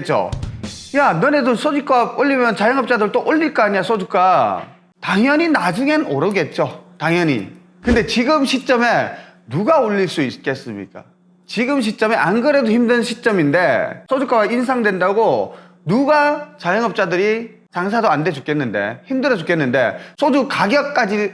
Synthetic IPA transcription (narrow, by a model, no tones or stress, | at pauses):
t͡ɕ͈o̰janʌnedosʰod͡ʑuk͈aoʎːimjʌnt͡ɕajʌŋʌp̚t͡ɕ͈adɯɭt͈oʔoʎːiɭk͈aːɲiasʰod͡ʑuk͈ʰa | taŋjʌɲinad͡ʑuŋe̞noɾʌɡe̞t̚t͡ɕ͈otaŋjʌɲḭ | kɯnde̞t͡ɕiɡɯmɕʰit̚t͡ɕ͈ʌme̞ | nuɡaoʎːiɭs͈uisk͈e̞s͈ɯmɲḭk͈a̰ | t͡ɕiɡɯmɕ̬ʰit͡ɕ͈ʌme̞ʔanɡɯɾedoçimdɯnɕʰit͡ɕ͈ʌminde̞sʰod͡ʑuk͈ʰawainsʰaŋdwe̞ndaɡo | nuɡat͡ɕajʌŋɦʌp̚t͡ɕ͈adɯɾi | t͡ɕaŋs̬ʰadoande̞d͡ʑuk͈ʰe̞nːɯnde̞̰çimdɯɾʌd͡ʑukʰe̞nːɯnde̞̰sʰod͡ʑukaɡjʌk̚k͈ad͡ʑi